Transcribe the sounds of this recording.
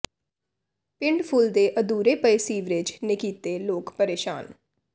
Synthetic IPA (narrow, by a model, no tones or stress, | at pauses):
pɪɳɖpʰuːld̪eːʔəd̪uːɾeːpəesiːʋɾɪd͡ʒnekiːt̪eːloːkpəɾeːʃa̰ːn